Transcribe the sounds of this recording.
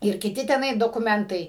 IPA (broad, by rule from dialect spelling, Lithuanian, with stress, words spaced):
ɪr kʲɪˈtʲɪ tʲɛˈnɐɪ doːkʊˈmʲɛntɐɪ